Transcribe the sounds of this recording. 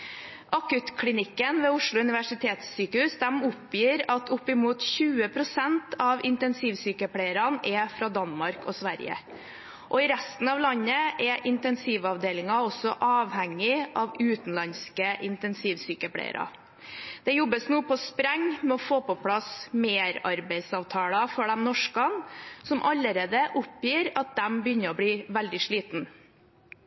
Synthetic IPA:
ʔɑkʉt̪kʰlɪnɪkːənʋɛːʊʂɭʊʉnɪʋæʂɪt̪ʰeːt̪sːyːkəhʉːsd̪ɛmʊpjiːɾɑt̪ʰʊpːɪmuːt̪çʉːəpʰɾʊsɛnt̪ʰɑʋɪnt̪ɛnsiːʋsyːkəpʰɽeɪəɾɑnɛfɾɑːd̪ɑnmɑɾkɔsʋæɾjə̰ | ʔɔɪɾɛst̪n̩ɑʋlɑnːəʔɛʔɪnt̪ɛnsiːʋɑʋd̪eːlɪŋɑɔsɔʔɑːʋhæŋːɪʔɑʋʉːt̪n̩lɑnskəʔɪnt̪ɛnsiːʋsyːkəpʰɽæ̰ɪ̰ɾɑ̰ | d̪̥ɛjɔbːəsnuːpɔspɾɛŋmɛɔfoːpɔpʰlɑsmeːɾɑɾbæɪsɑːʋt̪ʰɑːlɑfɔɖɛmnɔʂkɑnsɔmʔɑlːəɾeːd̪əʔʊpjiːɾɑt̪̚d̪ɛmbəjʏnːəɾɔbɽiːʋæld̪ɪʂɭiːt̪n

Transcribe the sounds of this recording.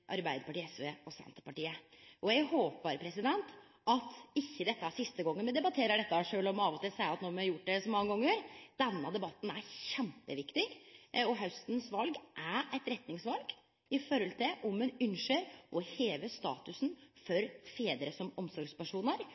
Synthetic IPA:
ʔɑɾbæɪd̪əɾpɑʈiːɛsʋeɔsɛ̰nt̪əpɑʈiːəʔɔjæɡhoːpbɑːɾəpʰɾɛsɪd̪ɛnt̪ | ɑt̪ɪçːəd̪ɛt̪ːəæsɪst̪əɡɔŋːənmɛd̪ɛbɑt̪ʰeːɾəɖɛt̪ːəʂøːlɔmɑːʋɔt̪ɪlsæɪɑt̪noːmɑɾjʊʈ̚ːd̪ɛsɔmːɑŋːəɡɔŋːəɾd̪ɛnːɑd̪ɛbɑt̪ːn̩æɾçɛmpəʋɪkt̪ɪɡɔɦɑʉst̪n̩sʋɑlɡʔæɛɪt̪ɾɛt̪nɪŋsʋɑlɡ | ɪfɔɾhɔlt̪ʰɪlʔɔmɛnʉnʂəɾʔɔheːʋəst̪ɑ̰ːt̪ʉsn̩fɔɾfeːd̪əɾəsɔmɔmsɔɾɡspæʂuːnəɾ

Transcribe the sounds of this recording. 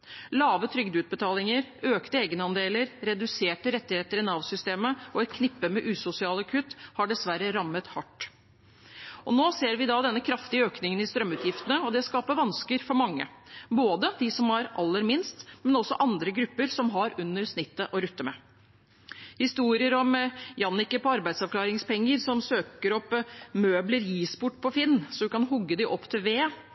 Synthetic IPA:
lɑːʋət̪ʰɾʏɡd̪ʉːt̪̚bət̪ʰɑːlɪŋəɾøːkt̪əeːɡənɑnd̪eːləɾɾɛd̪ʉseːʈəɾɛt̪ːɪheːt̪əɾɪnɑʋsʏst̪eːməɔɛt̪kʰnɪpːəmɛʔʉːsʊsɪɑːləkʰʉt̪ːhɑɖɛsʋæɾəɾɑmːət̪hɑʈː | ʔɔnoːseːɾʋɪd̪ɑd̪ɛnːəkʰɾɑft̪ɪəøːknɪŋənɪst̪ɾœmːʉːt̪ʰjɪft̪ənəɔd̪ɛskɑːpəʋɑnskəɾfɔɾmɑŋːə̰boːd̪əd̪ɪsɔmɑɾʔɑlːəɾmɪnst̪mɛnɔsːɔ̰ʔɑnd̪ɾəɡɾʉpːəɾsɔmɦɑɾʉnːəɾsnɪt̪ːəʔɔɾʉt̪ːəmɛ̰ | hɪst̪uːɾɪəɾɔmjɑnːɪkəpɔɑɾbæɪd̪sɑʋklɑːɾɪŋspɛŋːəɾsɔmsøːkəɾɔpːmøːbləɾjiːspʊʈːpʰɔfɪnːsɔd̪ʉkɑnɦʊɡːəd̪ɪʔɔpːt̪ʰɪlʋeː

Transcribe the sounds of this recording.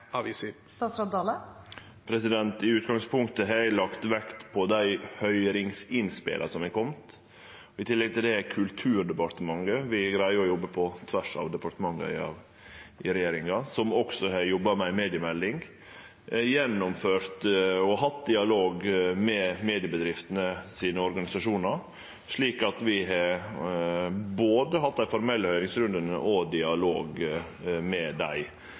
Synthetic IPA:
ɑʋisst̪ɑsɑd̪ɑːlə | pʰɾɛsɪd̪ɛnt̪ɪʉːt̪ɡɑŋspʰʊŋkt̪əɦæɾlɑkt̪ʋɛkt̪pʰɔd̪æɪhœʏɾɪŋsɪnspɪ̰lʔə̰sɔmæɪkʰɔmt̪ | ɪt̪ʰɪlːɛɡ̚t̪ʰɪld̪ɛkʰʉlt̪ʰʉːɾɖ̪ɛpɑɾt̪əmɑŋɡəʋɪɡɾæɪɔjɔbːəpʰɔt̪ʰʋæʂɑ̰ʋd̪ɛpɑʈ̪əmɑŋːə̰ɪ̰ɑ̰ʋ | ɪɾɛjeːɾɪŋɑsɔmɔksɔɦɑjɔbːɑmɛæɪmeːd̪ɪəmɛld̪ɪŋ | jɛnːɔmføːɾt̪ɔɦɑt̪ːd̪ɪɑloːɡmɛmeːd̪ɪəbəd̪ɾɪft̪ənəsiːnəɔɾɡɑnɪsɑʂuːnəɾ | ʂɭiːkɑt̪ʋɪɦɑ | boːd̪əɦɑt̪̚ːd̪æɪfɔɾmɛlːəhœʏɾɪŋsɾʉnd̪ənə̰ʔɔd̪ɪɑlo̰ːɡ | mɛd̪æɪ

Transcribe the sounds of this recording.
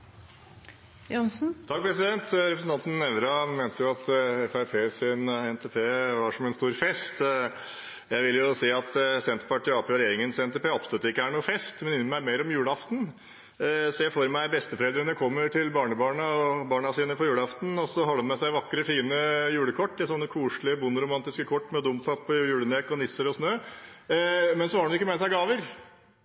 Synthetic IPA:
jɑnsn̩t̪ʰɑk̚ːpʰɾɛsɪd̪ɛnt̪ɾɛpɾəsn̩ɑnt̪n̩ːɛʋɾɑment̪əjʊɑt̪ɛfæɪpʰeːsɪnɛnt̪ʰeːpʰeːʋɑʂɔmɛnst̪uːɾfɛst̪ | jæɪʋɪljʊsiːɑt̪sɛnt̪ɾpɑʈʰiːɑpɾɛjeːɾɪŋənsɛnt̪ʰeːpeːɔpst̪œt̪ːəɪkːəæːɳuːəfɛst̪mɛnɪnːmæɪmeɪɾɔmjʉːɽəɑft̪n̩ | sɔjæfoɾmæɪbɛst̪əfɔɾɛld̪ɾənəkʰɔmːəɾʈʰɪlbɑːɳəbɑːɳɑɔbɑːɳɑsiːnəpʰɔjʉːləɑft̪n̩ɔsɔɦɔlːənmɛsæɪʋɑkːɾəfiːnəjʉːɽəkʰɔʈ̪ːɪsɔnːəkʰuːʂɭlɪəbʊnːɾʊmɑnt̪ɪskəkʰɔʈːmɛd̪ʊmpʰɑpːɔjʉːɽənɛkːɔnɪsəɾɔsnøː | mɛnsɔhɑɖɳnɪkːəmɛsæɪɡɑːʋəɾ

